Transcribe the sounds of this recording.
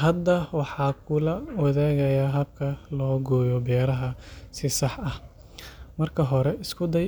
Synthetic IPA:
ɦɐd̪ːɐwɑħɑːkʰʊlɐwɐðaːɣɐjɐɦɐbkʰɐlɔːɡɔːjɔbɛːɾɐɦɐsɪsɑħɐh | mɐrkʰɐɦɔɾɛɪskʰʊd̪ɐj

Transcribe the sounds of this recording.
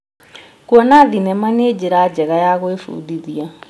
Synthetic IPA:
kuɔnaðinɛmaned͡ʑeɾad͡ʑɛɣajaɣoefṵðiðia

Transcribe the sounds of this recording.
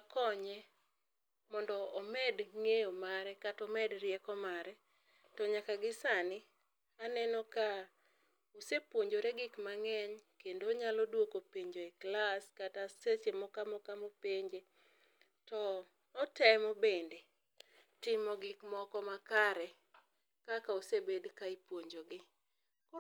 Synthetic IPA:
akɔɲɛ | mɔndɔːmɛdŋejomaɾɛkatɔmɛdɾjɛkɔmaɾɛ | tɔɲakaɡɪsanɪ | anɛnɔka | usepwoɲd͡ʒoɾɛɡɪkmaŋɛɲkendoɲalɔdwokopeɲd͡ʒoɛklaskatasesemɔkamɔkamopeɲd͡ʒe | tɔ | ɔtɛmɔbende | tɪmɔɡɪkmɔkɔmakaɾɛ | kakausebedkaipwoɲd͡ʒoɡɪ

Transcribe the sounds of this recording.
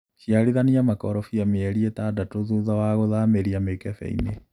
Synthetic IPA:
ʃiaɾiðaniamakɔɾɔfiameɛɾietaːdatoðuðawaɣoðaːmeɾiamekɛfɛ̰ḭne

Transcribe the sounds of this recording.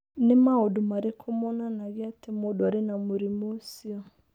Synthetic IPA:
nɪmaodʊmaɾɪkʰʊmʊnanaɣɪatɪmʊdʊaɾɪnamoɾimosiɔ

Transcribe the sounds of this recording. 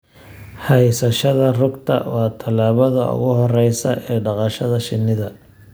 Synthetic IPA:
hɛjsɐʃɐðɐrʊɡt̪ʰɐ̰wɑːt̪ʰɐlaːβɐðɐʊ̰ɣʊɦɔrɛjsɐʔɛːɖɑqɑʃɐðɐʃɪnːɪðɐ

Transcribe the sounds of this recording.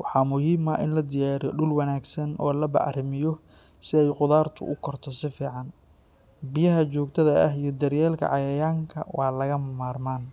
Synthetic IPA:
wɑħɑːmʊhiːmɐʔɪnlɐd̪ɪjaːɾijɔɖʊlwɐnaːɡsɐnʔɔːlɐbɑ̰ʕrɪmɪjɔ | sɪɛjqʊðaːrt̪ʰʊ̰ʔʊkʰɔrt̪ʰɔsɪfiːʕɑn | bɪjɐɦɐt͡ʃɔːɡt̪ʰɐðɐɐɦijɞd̪ɐrjɛːlkʰɐ̰ʕɑjɐjaːŋkʰɐ̰wɑːlɐɣɐmmaːrmaːn

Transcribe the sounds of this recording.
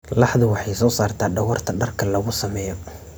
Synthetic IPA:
lɑħðʊwɑħɑjsɔːsaːrt̪ʰaːɖɐɣɔrt̪ʰɐɖɐrkʰɐlɐɣʊsɐmɛːjɔ

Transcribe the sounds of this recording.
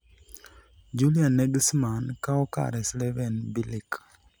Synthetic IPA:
d͡ʒulianeɡismankaoka̰ɾeslevenbilik

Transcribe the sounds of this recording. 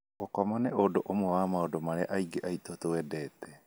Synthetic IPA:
okamaneodoʔomoamaodomaɾeʔajɡeʔajt̪ot̪oedet̪e

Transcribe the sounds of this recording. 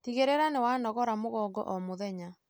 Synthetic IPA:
tiɣeɾeɾanewanɔɣɔɾamoɣɔɡɔ̰ʔɔmoðɛɲa

